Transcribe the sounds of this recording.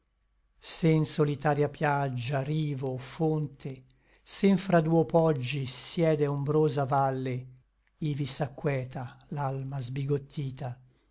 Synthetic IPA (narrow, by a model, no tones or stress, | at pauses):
seinsolit̪aːɾjapjad͡ʒːariːvofont̪e | seɱfɾad̪uːopɔd͡ʒːisjɛːd̪eombɾoːzavalːe | ivisakːwɛːt̪alalmazbiɡot̪ʰːiːt̪a